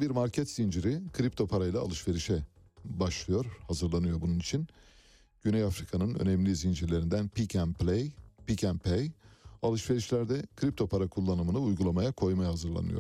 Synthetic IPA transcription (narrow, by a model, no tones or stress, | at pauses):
biɾmaɾcʰɛt̪z̥ind͡ʒiɾikʰɯɾip̚t̪ʰo̞pʰaɾajlˠa̰ːlˠɯʃve̞ɾiʃɛ | baʃlˠɯjo̞ɾhazɯɾlˠanɯjo̞ɾbununit͡ʃʰin | ɟ̥ynɛjafɾikʰanɯnø̰nɛmlʲizind͡ʒiɾlʲe̞ɾind̪ænpʰicʰænplʲejpicænpʰejalˠɯʃve̞ɾiʃlʲæɾd̪ɛkʰɯɾip̚t̪ʰo̞pʰaɾakʰulˠːanɯmɯnɯujɡulˠamajakʰo̞jmajahazɯɾlˠa̰nɯ̰jo̞̰